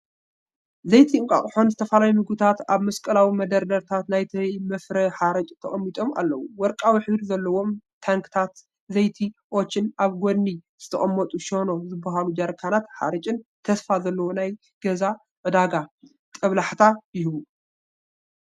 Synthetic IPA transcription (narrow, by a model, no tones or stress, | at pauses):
zɐjt̪ʰiɨŋkʼa̰χʼħo̞nzɨt̪ʰɐfalajumɨɡt̪ʰat̪aβmɐskʼɐlawimɐd̪ɐɾd̪ɐɾt̪ʰat̪najt̪ʰɐjmɐfɾɐħaɾɐt͡ʃʼt̪ʰɐχʼɐmːit̪ʼo̞mʔa̰lːɐwuwɔɾkʼawiħɨβɾizɐlːɐwo̞mt̪ʰaŋkʰɨ̥t̪ʰat̪ | zɐjt̪ʰiʔot͡ʃːɨnʔaβɡod̪niz̥ɨt̪ʰɐχʼɐmːɐt̪ʼuʃo̞no̞zɨbːɐɦalud͡ʒɐɾkʰanat̪ħa̰ɾɐt͡ʃʼɨnt̪ʰɐsfazɐlːɐwonaj | ɡ̥ɐza | ʕɨd̪aɡa | t̪ʼɐβlaħt̪ʰajɪɦβu